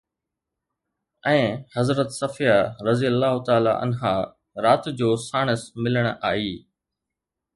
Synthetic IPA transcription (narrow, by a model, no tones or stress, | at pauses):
ɛ̃ːhɐzɾət̪sɐfijaɾɐzijəlːaːɦʊt̪aːlaʔɐ̰nɦaː | ɾaːt̪d͡ʑoːsaːɽ̃əsmɪləɽ̃aːiː